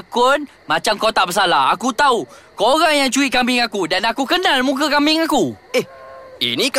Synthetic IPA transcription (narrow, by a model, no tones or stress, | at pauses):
kʊn | mãt͡ʃamkot̪aʔbəs̬alaakut̪au | koɾaŋjaŋt͡ʃuit̪̚kamɪŋakudanakukənãlmũkəkamɪŋakuehḭnĩk